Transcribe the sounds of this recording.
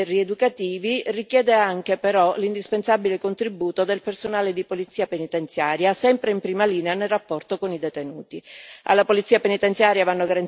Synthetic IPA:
rːied̪ukat̪iːvirikjɛːd̪eaŋkepeɾɔlind̪ispensabilekont̪ɾibuːt̪od̪elpersonaːled̪ipolit̪sːiːapenit̪ent̪sjaːɾjasɛmpɾeimpɾiːmaliːneanelrːapːɔrt̪okonid̪ɛt̪enuːt̪ia̰lːapolit̪siːapenit̪ent̪sjaːɾjavanːoɡaɾan

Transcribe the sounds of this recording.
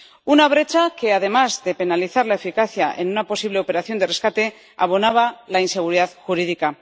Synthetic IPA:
unaβ̞ɾe̞t͡ʃake̞aðe̞mazðe̞pe̞naliθaɾlaefikaθjaʔe̞̰nunapo̞siβ̞le̞o̞pe̞ɾaθjo̞nd̪ere̞skat̪e̞ | a̰βo̞naβ̞alainse̞ɣuɾiðaðxuɾiðika

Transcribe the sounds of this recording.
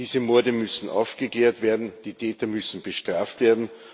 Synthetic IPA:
iːzəmɔɐdəmʏsn̩ʔa̰ʊfɡ̥əkleːɐtv̥eːɐdn̩d̥iːtʰɛːtɐmʏsn̩b̥əʃtʁ̥aːftv̥eːɐdn̩

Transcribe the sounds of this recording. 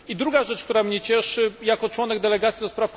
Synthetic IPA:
id̪ɾuɡaʐɛt͡ʂkt̪uɾamɲɛt͡ɕɛʂɘjakɔt͡ʂwɔnɛɡ̚d̪ɛlɛɡat̪sʲid̪ɔspɾafk

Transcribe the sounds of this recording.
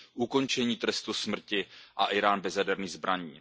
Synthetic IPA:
ʔuko̞nt͡ʃɛɲiːt̪ɾɛst̪usmr̩cɪʔaʔɪɾaːnbɛzjadɛɾniːzbɾaɲiː

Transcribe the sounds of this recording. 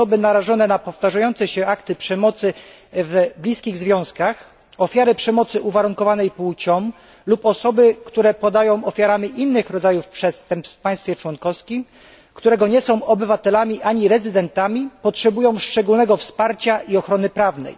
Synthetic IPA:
ɔbɘnaɾaʐɔnɛnapɔft̪aʐajɔnt̪sɛɕɛʔakt̪ɘpʂɛmɔt̪sɘ | vblʲiskʲiɣzvʲjɔ̃w̃skax | ɔfʲjaɾɘpʂɛmɔt̪sɘʔuvaɾuŋkɔvanɛjput͡ɕɔm | lupɔsɔbɘkt̪uɾɛpɔd̪ajɔ̃w̃ʔɔfʲjaɾamʲiʔinːɘxɾɔd̪zajufpʂɛst̪ɛmpsfpaj̃st̪fʲɛt͡ʂwɔnkɔfskʲim | kt̪uɾɛɡɔɲɛsɔ̃w̃ʔɔbɘvat̪ɛlamʲiʔaɲiɾɛzɘd̪ɛnt̪amʲipɔtʂɛbujɔ̃w̃ʂt͡ʂɛɡulnɛɡɔfspaɾt͡ɕaʔiɔxɾɔnɘpɾavnɛ̰j

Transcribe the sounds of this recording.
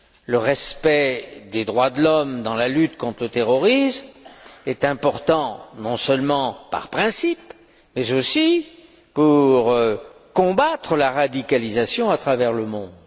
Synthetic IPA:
ləʁɛspɛd̪ed̪ʁwad̪əlɔmd̪ɑ̃lalyt̪kɔ̃t̪χlət̪eʁɔʁismɛt̪ɛ̃pɔʁt̪ɑ̃nɔ̃sœlmɑ̃pa̰ʁpχɛ̃sip | mɛzosi | puʁkɔ̃bat̪χəlaʁad̪ikalizasjɔ̃at̪χavɛʁləmɔ̃d̪

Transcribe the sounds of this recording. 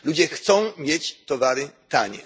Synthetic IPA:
lud͡ʑɛxt̪sɔ̃w̃mʲjet͡ɕt̪ɔvaɾɪt̪aɲɛ̰

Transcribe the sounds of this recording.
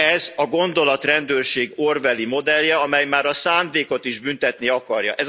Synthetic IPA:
ɛzɒɡo̞nd̪o̞lɒt̪rɛnd̪øːrʃeːɡorvɛlimo̞d̪ɛljɛɒmɛjmaːɾɒsaːnd̪eːko̞t̪iʒbynt̪ɛt̪niɒkɒrjɒ̰ʔɛz

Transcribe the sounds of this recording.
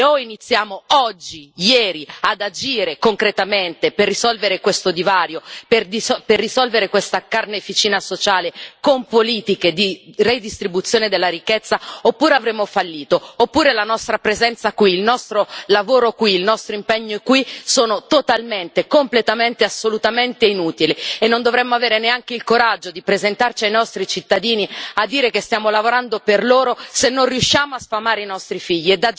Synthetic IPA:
oinit̪sːjaːmoɔd͡ʒːijɛːɾiad̪ad͡ʒiːɾekoŋkɾet̪ament̪eperːisɔlveɾekwest̪od̪ivaːɾjoperd̪isperːisɔlveɾekwest̪akarnefit͡ʃiːnasot͡ʃaːlekompoliːt̪iked̪ired̪ist̪ɾibut̪sːjoːned̪elːaɾikːet̪sːaopːuːɾeavɾeːmofalːiːt̪oopːuːɾelanɔst̪ɾapɾezɛnt̪sakwiːlnɔst̪ɾolavoːɾokwiːlnɔst̪ɾoimpeɲːokwisoːnot̪ot̪alment̪ekomplet̪ament̪easːolut̪ament̪einuːt̪ilienːond̪ovɾemːoaveːɾeneaŋk̟eilkoɾad͡ʒːod̪ipɾezent̪art͡ʃiajnɔst̪ɾit͡ʃit̪ːad̪iːniad̪ːiːɾekest̪jaːmolavoɾand̪operloːɾosenːonrjuʃːaːmoasfamaːɾeinɔst̪ɾifiʎːied̪ːa

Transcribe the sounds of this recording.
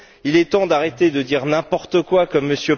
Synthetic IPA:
ilɛt̪ɑ̃d̪aʁet̪ed̪əd̪iʁnɛ̃pɔʁt̪əkwakəmːəsjø

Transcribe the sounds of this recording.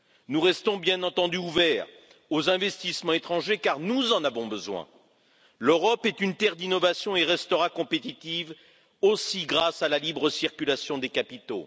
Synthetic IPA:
nuʁɛst̪ɔ̃bjɛ̃nɑ̃t̪ɑ̃d̪yuvɛːʁ | ozɛ̃vɛst̪ismɑ̃et̪χɑ̃ʒekaʁnuzɑ̃navɔ̃bəzwɛ̰̃ | løʁɔpɛt̪ynt̪ɛʁd̪inɔvasjɔ̃eʁɛst̪əʁakɔ̃pet̪it̪iv | osiɡʁasalalibʁəsiʁkʲylasjɔ̃d̪ekapit̪o̰

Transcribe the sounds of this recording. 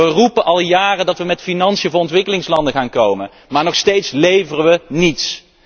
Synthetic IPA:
ərupəʔɑlˠjaːrədɑtʋəmɛtfinɑnsiəvʊːɹɔntʋɪkəlɪŋslɑndəχaːnkowmə | maːɹnɔχstejtslejvərəʋənits

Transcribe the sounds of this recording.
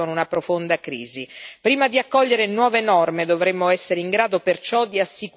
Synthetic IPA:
onunapɾofond̪akɾḭːzipɾiːmad̪iakːɔʎːeɾenwɔːvenɔrmed̪ovɾemːoɛsːeɾeiŋɡɾaːd̪opert͡ʃɔd̪iasːik

